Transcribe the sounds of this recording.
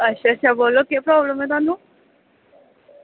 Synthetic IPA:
əɕaəɕabolːokepɾɔbləmet̪ãnd̪u

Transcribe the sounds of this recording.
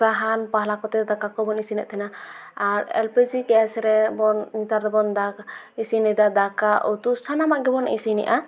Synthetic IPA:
aɦanpaɦlakɔt̪ɛd̪akakɔbɔnisinɛʔt̪ʰɛnaaɾɛ̰lpɛd͡ʒikɛasɛɾɛbɔnːit̪aɾɾɛbɔnd̪a | isinɛd̪ad̪akaʔɔt̪usanamaʔɡɛbɔna̰ʔisinɛ̰ʔa

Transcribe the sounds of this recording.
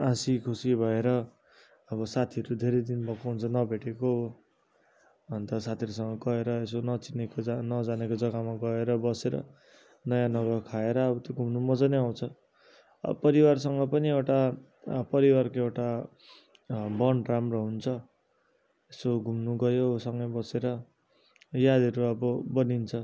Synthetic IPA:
ãsikʰusibʱʌeɾʌ | ʌbʌsat̪ʰiʌɾud̪ʱeɾejd̪inbʌkoɦunt͡sʰʌnʌbʱeʈeko | bʌnt̪ʌsat̪ʰiʌɾusʌŋɡʌɡʌeɾʌesonʌt͡sinekonʌd͡zanekod͡zʌɡamaɡʌeɾʌbʌseɾʌ̰ | nʌjãnʌɡʌkʰaeɾʌːbʌt̪joɡʱumnumʌd͡zʌneaw̃t͡sʰʌ | ʌ̰pʌɾiwars̬ʌŋɡʌpʌniewʈa | pʌɾiwarkoewʈa | bʌɳramroɦunt͡sʰʌ | esoɡʱumnuɡʌjosʌŋɡʌjbʌseɾʌ | jad̪ʌɾuʌbʌbʌnint͡sʰʌ

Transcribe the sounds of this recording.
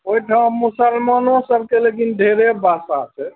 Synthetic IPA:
oiʈʰamːusəlmanosəb̚kelekinɖʱeɾebasa̰se

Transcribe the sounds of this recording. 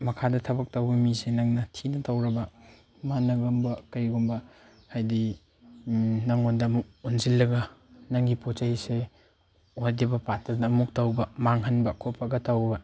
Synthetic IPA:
mɐkʰadɐtʰɐbɐk̚tawbɐmisenɐŋnɐtʰinɐtʰawɾɐbɐ | manɐɡɐmbɐkɐjɡumbɐ | hajdi | naŋondɐːmuk̚unzilːɐɡɐnaŋɡipot͡ʃahise | odibɐpatɐdɐːmuk̚tawbɐmaŋɦɐnbɐkʰopʰɐɡɐtʰawbɐ

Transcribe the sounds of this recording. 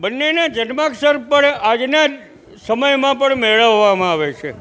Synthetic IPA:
bənːenad͡ʒənmaksəɾpəɳad͡ʒna | səməjmãpəɳmeɭəʋːamãaʋet͡ʃʰe

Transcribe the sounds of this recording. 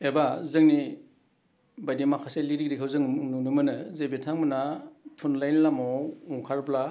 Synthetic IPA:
ebazɯŋni | bajdimakʰaseliɾikɾikʰɯwzɯŋnunɯmɯnɯzebetʰaŋmɯnatʰunlajnlamɔuŋkʰaɾpla

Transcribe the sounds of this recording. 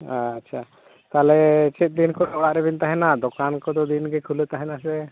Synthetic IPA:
atːʃʰa | t̪alɛt͡ʃɛt̪̚ˀd̪inkɔdɔɡaʔɾɛbint̪aɦɛnad̪ɔkankɔd̪ɔd̪inɡekʰulet̪aɦɛnasɛ

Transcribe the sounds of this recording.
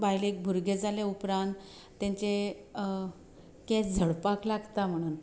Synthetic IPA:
bajleek̚bʱuɾɡed͡zʱaleupɾãnt̪ː | ãɲt͡ɕe | kɛd͡zʱəɽpaklaɡt̪am̤əɽ̃uːn

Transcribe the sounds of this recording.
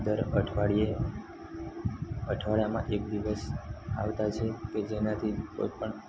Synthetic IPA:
d̪əɾəʈʰʋaɽie | əʈʰʋaɭjamã̰ʔek̚d̪iʋəsa̰ʋt̪at͡ʃʰeked͡ʒenat̪ʰik̪o̰jpəɳ

